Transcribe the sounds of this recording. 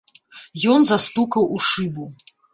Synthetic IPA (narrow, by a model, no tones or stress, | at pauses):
jɔnzast̪ukɐwʔuʂɨbu